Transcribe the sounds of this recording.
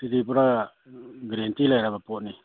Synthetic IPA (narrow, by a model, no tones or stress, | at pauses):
titipuɾa | ɡɾentilajɾabapɔt̚ni